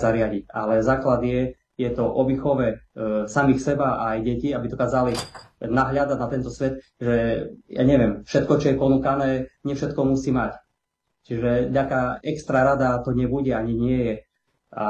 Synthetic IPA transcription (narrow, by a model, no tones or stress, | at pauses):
zaɾɪaɟica̰lɛzaːklad̪ɪjɛ | jɛt̪ɔʔɔbixɔʋɛsamixsɛbaːjɟɛciabid̪ɔkaːzali | naɦʎad̪aɟnat̪ɛnt̪ɔsʋɛt̪ | ʒɛja̰ːɲɛʋɪɛmfʃɛt̪̚kɔt͡ʃɔjɛpɔnukanɛːɲɪɛfʃɛt̪kɔmusiːmac | t͡ʃiʒɛɟakaɛkst̪ɾaɾad̪at̪ɔɲɪɛbuɟɛaɲiɲɪɛjɛ | a̰